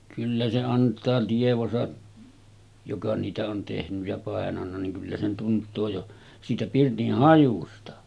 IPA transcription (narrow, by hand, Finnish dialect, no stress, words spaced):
kylːæ se ɑntˑɑː tieʋosɑ jokɑ niːtæ on tehnyj jɑ pɑˑenɑnːɑ niŋ kylːæ se tuntˑoː jo siːtæ pirtih hɑjustɑ